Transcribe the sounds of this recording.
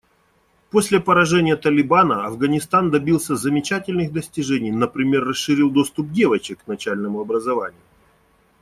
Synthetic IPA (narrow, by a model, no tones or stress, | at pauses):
po̞sʲlʲɪpəɾɐʐɛnʲɪjət̪əlʲɪbanəɐvɡənʲɪst̪and̪ɐbʲilˠsʲəzəmʲɪt͡ɕætʲɪlʲnɨxd̪əsʲtʲɪʐɛnʲɪjnəpɾʲɪmʲe̞rːəsʂɨɾʲilˠd̪o̞st̪ʊp̚dʲe̞vət͡ɕɪkkːnɐt͡ɕælʲnəmʊɐbɾəzɐvanʲɪjʊ